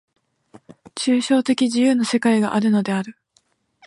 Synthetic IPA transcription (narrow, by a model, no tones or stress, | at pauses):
t͡ɕɨːɕo̞ːt̪e̞kʲiʑijɯːno̞se̞kaiɡa̰ʔaɾɯ̟no̞d̪e̞aɾɯ̟